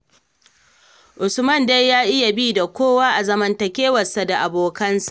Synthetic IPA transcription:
ʔʊ˨sʊmɐ˦˨nda˦jːaː˦ʔɪ˦ja˨biː˦da˨kʷoː˦waː˦ʔa˨zɐ˦mɐ˦ntɐ˨kʲeː˦wɐ˨sa˨da˨ʔa˨boː˨kɐ˦nsḁ˦˨ʔ

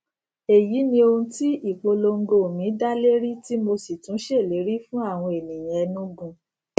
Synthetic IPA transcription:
e˨ji˨˦nĩ˦o˧hũ˦ti˦i˦˨k͡po˧lo˧ŋ̩˦ɡo˧˨mĩ˨˦da˦le˦ɾi˦ti˦mo˧si˨tũ˨˦ʃe˦˨le˨˦ɾi˦fũ˦a˦˨w̃ɔ̃˧e˨nĩ˨j̃ɛ̃˨ɛ˧˦nũ˦ɡũ˧

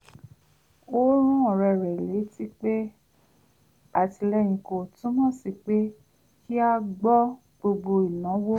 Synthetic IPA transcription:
o˦ɾ̃ũ˦ɔ̃˨ɾɛ˧˨ɾɛ˨le˨˦ti˦k͡pe˦ | a˨ti˧lɛ˧j̃ĩ˨ko˨tũ˨˦mɔ̃˦˨si˧˨k͡pe˦ | ki˦a˧ɡ͡bɔ˦ | ɡ͡bo˧ɡ͡bo˧i˨nã˨˦wo˦

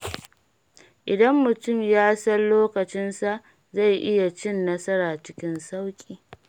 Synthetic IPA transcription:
ʔɪ˨dɐ˦mːʊ˨tʊ˦˨mjaː˦sɐ˦nloː˦kɐ˨t͡ʃɪ˦nsa˨ʔ | za˦˨jʔɪ˦ja˨t͡ʃɪ˦nːɐ˦sɐ˦ɾaː˨t͡ʃɪ˦kʲɪ˦nsa˦wkʲʼiː˨

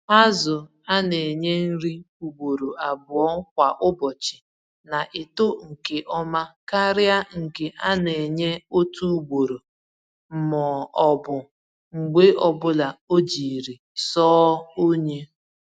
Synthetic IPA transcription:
a˦zʊ˨ | a˦ne˨ɲe˦n̩˦ɾi˦ | u˨ɡ͡bo˨ɾo˨ʔa˨bʊ˨ɔ˦kʷa˨ʔʊ˦bɔ˨t͡ʃɪ˨ | na˨ʔɪ˨to˦ŋ̩˨ke˨ʔɔ˦ma˦ka˦ɾɪ˦a˦ŋ̩˨ke˨ʔa˦ne˨ɲe˦o˦tu˦u˦ɡ͡bo˨ɾo˨ | m̩˦mɔ˨ɔ˨bʊ˨ | ŋ͡m̩˨ɡ͡be˦ʔɔ˨bʊ˦la˨o˦d͡ʒi˨ɾi˨ | sɔː˦o˦ɲe˦

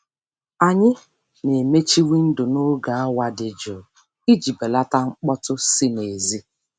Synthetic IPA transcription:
a˨ɲɪ˦ | ne˨me˦t͡ʃi˦wi˦n̩˦dʊ˨no˦ɡa˨a˦wa˨dɪ˨d͡ʒʊ˨ | i˦d͡ʒi˨be˨la˦ta˦ŋ͡m̩˦k͡pɔ˦tʊ˦si˦ne˨zi˦

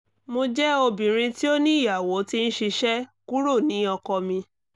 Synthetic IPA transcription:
mo˧d͡ʒɛ˦o˧bĩ˨ɾ̃ĩ˧ti˦o˦nĩ˦i˦˨ja˨wo˨˦ti˦n̩˦ʃi˧ʃɛ˦ku˦ɾo˦˨nĩ˨˦ɔ˧kɔ˧mĩ˧

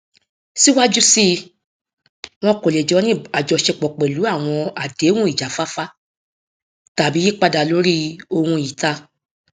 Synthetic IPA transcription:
si˦wa˦d͡ʒu˦si˦ | w̃ɔ̃˦ko˨le˨d͡ʒɔ˨˦nĩ˦a˨d͡ʒɔ˨˧ʃe˧k͡pɔ˨k͡pɛ˨lu˨˦a˦˨w̃ɔ̃˧a˨de˨˦wũ˦i˦˨d͡ʒa˨˦fa˦fa˦ | ta˨bi˨˦i˦k͡pa˧da˨lo˨˦ɾi˦o˧hũ˧i˨ta˧

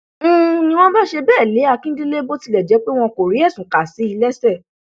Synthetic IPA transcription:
nĩ˧w̃ɔ̃˦ba˦ʃe˧bɛː˦˨le˨˦a˧˨kĩ˦dĩ˦le˦bo˦ti˧lɛ˨d͡ʒɛ˨˦k͡pe˦w̃ɔ̃˧ko˨ɾi˨˦ɛ˦˨sũ˨ka˨si˨˦i˧lɛ˦sɛ˦˨

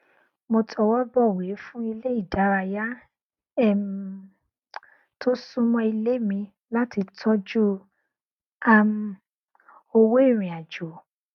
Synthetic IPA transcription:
mo˧tʰɔ˧wɔ˦bɔ˦˨we˨˦fũ˦i˧le˦i˦˨da˨˦ɾa˧ja˦ | ɛ˦˨m | tʰo˦sũ˦mɔ̃˧i˧le˦mĩ˧ | la˦ti˧tʰɔ˦d͡ʒu˦ | a˧m̩˧ | o˧we˦i˦˨ɾ̃ĩ˨a˨d͡ʒo˨˦

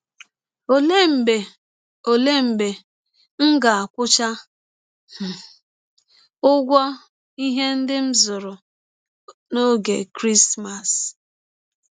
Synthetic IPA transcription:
o˨le˦m̩˨be˨ | o˨le˦m̩˨be˨ | ŋ̩˦ɡa˨a˨kʷʊ˦t͡ʃa˦ | h̩˨ | ʊ˦ɡʷɔ˦ | i˦ɦe˦n̩˦dɪ˦m̩˦zʊ˨ɾʊ˨ | no˦ɡḛ˨kɾi˦sma˨s

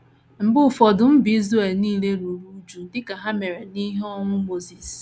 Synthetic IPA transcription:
m̩˨bʊ˦˨fɔ˨dʊ˨m̩˦bi˦zu˦e˨lniː˦le˦ɾu˨ɾu˦d͡ʒu˨dɪ˦ka˨ɦa˦me˨ɾe˨ni˦ɦe˦ɔ˦ŋʷʊ˦mo˦zi˨s

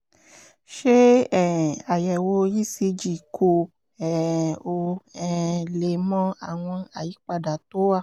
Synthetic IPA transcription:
ʃe˦ɛ˦˨a˨jɛ˨wo˧ji˦si˧d͡ʒi˨kʰo˧ | ɛ˨o˧ɛ˦˧le˨mɔ̃˦a˨w̃ɔ̃˧a˨ji˨˦k͡pa˧˨da˨to˨˦a˦˨

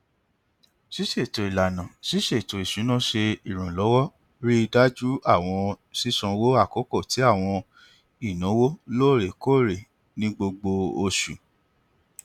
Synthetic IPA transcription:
si˦ʃe˦˨to˨i˨la˨nã˨si˦ʃe˦˨to˨i˨ʃũ˨˦nã˦˨ʃe˧i˦˨ɾ̃ũ˨lɔ˨˦wɔ˦ | ɾi˦i˧da˦d͡ʒu˦a˦˨w̃ɔ̃˧ | si˦sɔ̃˧wo˦a˦˨ko˨˦ko˦˨ti˨˦a˦˨w̃ɔ̃˧ | i˦˨nũ˨˦wo˦loː˦˨ɾe˨ko˦˨ɾe˨ | nĩ˦ɡ͡bo˧ɡ͡bo˧o˧ʃu˨

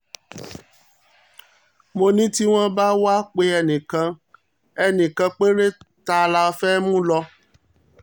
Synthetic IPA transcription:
mo˧nĩ˦ti˦w̃ɔ̃˦ba˦wa˦k͡pe˧˦ɛ˧nĩ˨kã˧ | ɛ˨nĩ˨kã˧k͡pe˦ɾe˦ta˧la˧˦fɛ˦mũ˦lɔ˧

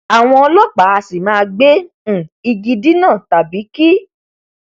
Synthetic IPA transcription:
a˨w̃ɔ̃˧ɔ˧lɔ˦k͡pa˨˦a˧si˨mãː˦˧ɡ͡bẽ˦˨ | i˧ɡi˧di˦nãː˦˨ta˨bi˨˦ki˦

